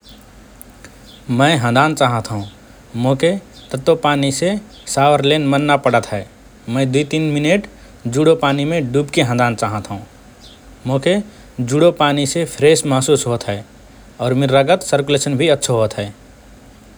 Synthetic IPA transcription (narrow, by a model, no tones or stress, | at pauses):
mə̃ɪɦə̃nd̪ʱaːnt͡ʃaːɦət̪ɦũ | mõːket̪ət̪ːopaːnise | saːʋəɾleːnmənːapəɽət̪ɦɛː | mə̃ːd̪uit̪iːnmɪneʈ | d͡ʒuːɽopaːnimẽɖuːbkeɦə̃nd̪aːnt͡ʃaːɦət̪ɦũː | mõːke | d͡ʒuːɽopaːnisepʰɾeːsmasuːsɦoːt̪ɦɛː | ɔːɾmɪɾːəɡət̪səɾkʊleːʃənbʱiətːʃʰɦoːt̪ɦɛː